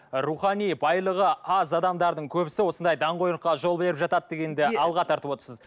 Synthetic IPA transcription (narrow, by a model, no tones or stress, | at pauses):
ɾuχɑnijbɑjlˠəʁəɑzɑd̪ɑmd̪ɑɾd̪əɴkʲʰɵbɪsɪwo̞sənd̪ɑjd̪ɑɴqo̞jɾəqːɑʒo̞lˠbe̞ɾɪpʒɑt̪ɑt̪̚ːe̞ɡʲe̞nd̪ɪɑlˠʁɑt̪ʰɑɾt̪əpot̪əɾsəz